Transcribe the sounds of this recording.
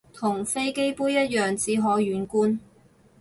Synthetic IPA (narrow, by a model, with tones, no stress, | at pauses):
t̪ʰʊ˨˩ŋfe˥jke˥jpuː˥jɐ˥t̚jœː˨ŋt͡siː˨˧ɦɔː˨˧jyː˨˥nkuː˥n